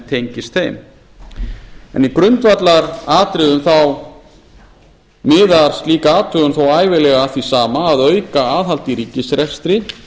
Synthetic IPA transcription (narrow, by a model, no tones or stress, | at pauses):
t̪ʰejɲcɪst̪θejm | ɛ̰nikɾʏnt̪vat̪laɾaːt̪ɾɪðʏmθaw | mɪːðaɾ̥st̪liːkaaːt̪ʰœɣʏmθawaːjvɪlɛɣaθisaːmaːðœːɥkaaːðɦhalt̪iɾiːcɪsɾɛst̪ɾɪ